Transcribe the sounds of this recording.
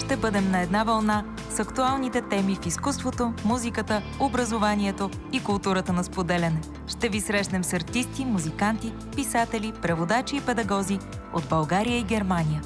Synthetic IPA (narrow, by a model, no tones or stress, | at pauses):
ʃt̪ɛbɤd̪ɛmnɐɛd̪navɐlˠna | sɐkt̪ualˠnit̪ɛt̪ɛmifiskust̪vot̪omuzikət̪ə | obɾəzovaniɛt̪o | ikulˠt̪uɾət̪ənɐspod̪ɛlʲɐnɛ | ʃt̪ɛvisɾɛʃnɛmsɐɾt̪ist̪imuzikant̪i | pisat̪ɛlipɾɛvod̪at͡ʃiːpɛd̪ɐɡɔzi | o̰d̪̚bɐlˠɡaɾijəiɡʲɛɾmanʲijə